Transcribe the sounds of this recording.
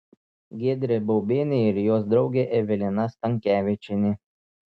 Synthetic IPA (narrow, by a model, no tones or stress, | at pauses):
ɡʲeːd̪ʲɾʲɪbɔʊbʲeːnʲeɪɾjoːsd̪ɾɒʊɡʲeːʔɛʋʲɪlʲɪnɐst̪ɐŋʲkʲæːʋʲɪt͡ʃʲɪnʲɪ